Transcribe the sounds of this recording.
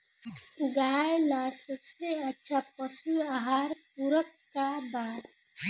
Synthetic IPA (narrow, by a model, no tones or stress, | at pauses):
ɡaːjnasəbseətːʃʰapəsuaːɦaːɾpuɾək | kabaːɾ